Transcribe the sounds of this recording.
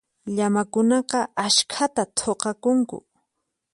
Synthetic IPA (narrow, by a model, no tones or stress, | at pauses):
ʎamakʊnɑqɑaʃkʰat̪at̪ʰoqɑkʊŋkʊ̰